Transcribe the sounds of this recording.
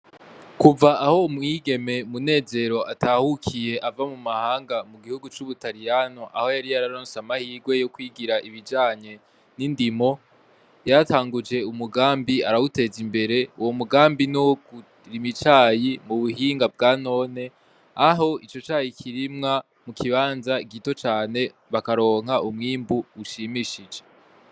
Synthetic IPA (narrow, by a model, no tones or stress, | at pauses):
kuvaaho̞umŋiːɡe̞me̞mune̞ːze̞ɾo̞ʔatʰahukʰije̞ʔavamumahaːŋɡamuɡihuɡut͡ʃuβutaɾijanoʔa̰ho̞jaɾijaɾaɾoːnsamahiːɡwe̞jo̞kwiɡiɾaʔiβid͡ʒaːɲe̞ | nindimo̞ | jataːŋɡud͡ʒe̞umuɡaːmbiaɾaute̞zimbe̞ɾe̞uwo̞muɡaːmbinoɡu | ɾimit͡ʃaːjimuβuhiːŋɡab̚ɡaːno̞ːne̞ | aɦo̞it͡ʃo̞t͡ʃaːjikʰiɾimŋa | mukʰiβaːnzaiɡito̞t͡ʃaːne̞ | βakaɾo̞ːŋ̥haʔumŋiːmbuːʃimiʃid͡ʒe̞